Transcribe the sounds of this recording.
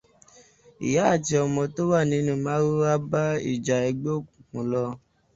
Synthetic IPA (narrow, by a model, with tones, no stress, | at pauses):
ḭ˨ja˨˦a˦˨ti˧ɔ˧mɔ̃˧to˦wa˦˨nĩ˨˦nũ˦˨mãː˨˦ɾo˦a˦ba˦ḭ˦˨d͡ʒa˨e˧ɡ͡bo˦o˦˨kũ˨kũ˨˦lɔ˧